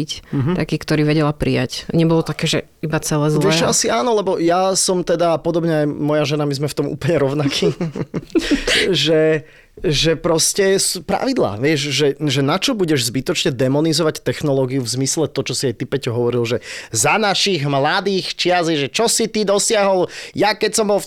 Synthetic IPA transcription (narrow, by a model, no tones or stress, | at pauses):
ic̩ɦt̪akiːkt̪ɔɾiːʋɛɟɛlapɾija̰cɲɛbɔlɔt̪akɛːʒɛ̰ | ibat͡sɛlɛzlˠɛʃasiaːnɔlɛbɔjasɔmt̪ɛd̪apɔd̪ɔbɲɛajmɔjaʒɛnamizmɛft̪ɔmṵːplɲɛɾɔʊnakʰiː | ʒɛ | ʒɛpɾɔscɛsupɾa̰ʋid̪la̰ːʋɪɛʒʒɛʒɛnat͡ʃɔbuɟɛʒzbit̪ɔt͡ʃɲɛd̪ɛmɔnizɔʋact̪ɛxnɔlɔːɡiuvzmislɛt̪ɔt͡ʃɔsiajt̪ipɛcɔɦɔʋɔɾilʒɛzanaʃiɣmlad̪iːxt͡ʃɪaziʒɛt͡ʃɔsit̪id̪ɔsɪaɦɔljakɛcsɔmbɔl